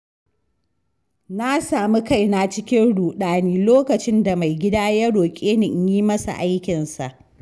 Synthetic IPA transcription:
na˦saː˨mi˦ka˦˨jna˨t͡ʃɪ˦kʲɪ˦nɽuː˨ɗaː˦niː˦loː˦kɐ˨t͡ʃɪ˦nda˨ma˨jɡʲɪ˦daː˦ja˦ɽoː˨kʲʼeː˦nɪ˨ʔjiː˦mɐ˦sa̰˨ʔa˦jkʲɪ˨nsa̰˨ʔ

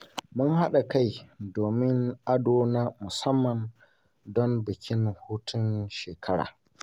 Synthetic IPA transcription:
mʊ˦nha˦ɗa˨ka˦˨jdoː˨mɪ˦ŋʔa˦doː˦naː˦mʊ˨sɐ˦mːɐ˨n | dɔ˦mbɪ˨kʲɪ˦nhʊ˦tʰʊ˦nʃeː˨kʰɐ˦ɽa̰ː˨

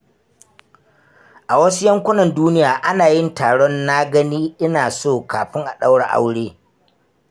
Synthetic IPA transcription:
ʔa˨wɐ˦su˦jɐ˦ŋkʷʊ˦nɐ˨nduː˦nɪ˦jaː˨ʔa˦naː˨jɪ˦ntaː˨ɽɔ˦nːa˦ɡɐ˦niː˦ʔɪ˦naː˨soː˦˨kaː˨ɸɪ˦ŋʔa˨ɗa˦wɽa˨ʔa̰˦wɽeː˦

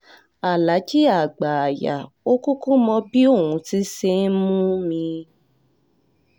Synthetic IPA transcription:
a˨la˨˦d͡ʒi˦a˨ɡ͡ba˨a˨ja̰˨ | o˦ku˦kũ˦mɔ̃˧bi˦o˦˨ũ˨˧ti˨˦se˦mũ˦mĩ˧

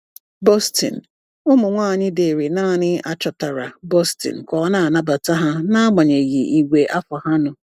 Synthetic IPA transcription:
bɔ˦stḭ˨n̩˨ | ʊ˦mʊ˨ŋʷaː˦˨ɲɪ˦de˨ɾi˨naː˦˨ɲɪ˦a˦t͡ʃɔ˨ta˨ɾa˨bɔ˦stɪ̰˨n̩˨kʷɔ˨˦na˦a˨na˦ba˨ta˦ɦa˦na˦ɡ͡ba˨ɲe˨ɣi˨i˨ɡʷe˨ʔa˦fɔ˨ha˦nʊ˨

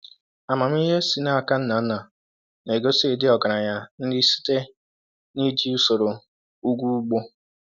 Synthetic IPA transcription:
a˨ma˨m̩˦i˦ɦe˦si˨na˦a˨ka˦n̩˦na˨n̩˦na˨ | ne˨ɡo˦se˦˨dɪ˦ɔ˨ɡa˨ɾa˨ɲa˦n̩˦dɪ˦si̥˦te˦ | ni˦d͡ʒi˦u˦so˨ɾo˨ | u˦ɡʷu˦u˦ɡ͡bo˦

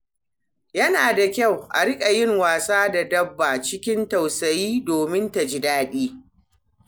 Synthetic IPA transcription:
jɐ˦naː˨da˨kʲa˦˨wʔa̰˨ɽɪ˦kʲʼa˨jɪ˦ŋwaː˨saː˦da˨dɐ˦bːa˨t͡ʃɪ˦kʲɪ˦nta˨wsɐ˨jiː˦doː˨mɪ˦nta˨d͡ʒɪ˨daː˦ɗiː˦

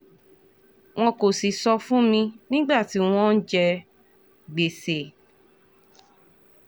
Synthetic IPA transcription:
w̃ɔ̃˧ko˨si˨sɔ˧fũ˦mĩ˧nĩ˦ɡ͡ba˦˨ti˨˦w̃ɔ̃˦n̩˦d͡ʒɛ˧ | ɡ͡be˨se˨

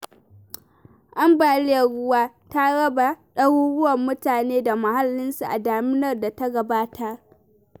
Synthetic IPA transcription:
ʔa˦mbaː˨lɪ˦a˨ɽʊ˦waː˦ | ta˦ɽɐ˦ba˨ɗɐ˦wu˦ɽʊ˦wɐ˨mːʊ˦taː˨neː˦da˨ma˨ha˦lːɪ˦nsu˨ʔa˨daː˨mɪ˦nɐ˨rda˨ta˦ɡɐ˨baː˦tʰa˦ʔ

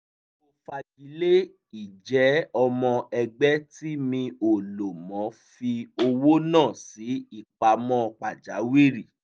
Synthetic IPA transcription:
o˧fa˧d͡ʒi˨˦le˦ | i˦˨d͡ʒɛ˨˦ɔ˧mɔ̃˧ɛ˧ɡ͡bɛ˦ti˦mĩ˧o˨lo˨mɔ̃˨˦fi˧o˧wo˦nãː˦˨si˨˦i˦˨k͡pa˨˧mɔ̃˦˧k͡pa˨d͡ʒa˨˦wi˦˨ɾi˦˨

